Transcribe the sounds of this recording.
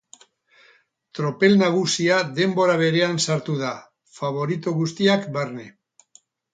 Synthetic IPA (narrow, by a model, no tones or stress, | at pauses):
t̪ɾo̞pe̞lnaɣ̞usiaðe̞mbo̞ɾaβ̞e̞ɾe̞ansaɾt̪uða | faβ̞o̞ɾit̪oɣust̪iakbaɾne̞